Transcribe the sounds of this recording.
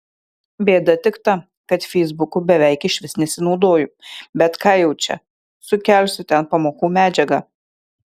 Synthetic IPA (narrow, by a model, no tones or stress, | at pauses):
bʲeːd̪ɐt̪ʲɪkt̪ɑ | kɐt̪fʲɛɪzbʊkʊbʲɛʋʲɛɪkɪʃʲʋʲɪsnʲɛsʲɪnɒʊd̪oːjʊbʲɛt̪kɑːjɛʊt͡ʃʲɛ̰ | sʊkʲɛlʲsʲʊt̪ʲɛnpɐmoːkuːmʲæːd͡ʒʲɛɡɑ